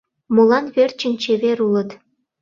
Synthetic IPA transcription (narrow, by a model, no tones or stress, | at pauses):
molɑnβert͡ɕə̆nʲt͡ɕeβeɾulət̪